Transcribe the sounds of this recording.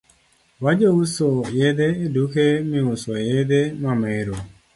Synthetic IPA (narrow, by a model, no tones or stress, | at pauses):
wad͡ʒousojedeedukemĩusojedemameɾo